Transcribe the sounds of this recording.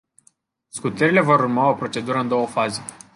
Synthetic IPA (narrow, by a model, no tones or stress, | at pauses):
skut̪əɾile̞vo̞ɾurmao̞pɾo̞t͡ʃe̞d̪uɾəɨnd̪o̞wəfaze̞